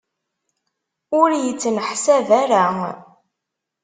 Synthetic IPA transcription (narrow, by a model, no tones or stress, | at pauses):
ʊɾjət͡sːənħsævaɾa